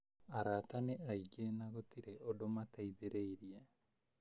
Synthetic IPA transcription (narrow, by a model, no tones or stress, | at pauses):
aɾat̪aneʔajɡeːnaɡot̪iɾeodomat̪ajbeɾejɾia